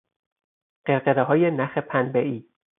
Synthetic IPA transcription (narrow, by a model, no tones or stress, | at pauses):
ɢeɾɢeɾeɦɒːjenæxepʰænbeʔiː